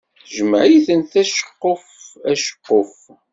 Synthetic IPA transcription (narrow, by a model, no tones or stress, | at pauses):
ʒəməʕjθənθæʃə̥qːofæʃə̥qːof